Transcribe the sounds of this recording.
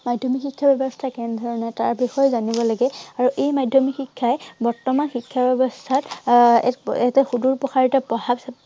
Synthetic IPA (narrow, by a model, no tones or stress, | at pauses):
madʱjɔmixikʰːabɛbɔstʰakɛndʱɔɹɔnɛtaɹbixɔjɔzanibɔlaɡɛaɹuʔejmadʱjɔmixikʰːajɛbɔɹtɔmanxikʰːabɛbɔstʰatɛ̰ɛtɛxuduɹpɔxaɹitapɔhabs